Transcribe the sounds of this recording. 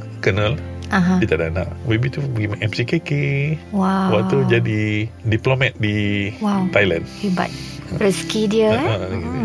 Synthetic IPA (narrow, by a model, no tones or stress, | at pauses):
kənə̃lãɦãbit̪adana̰ʔmebit̪ubəɡimaʔɛmsikekewawat̪ud͡ʒadidiplomɛt̪̚diwawt̪ajlãniba̰t̚ | ɾəskidiəanɡi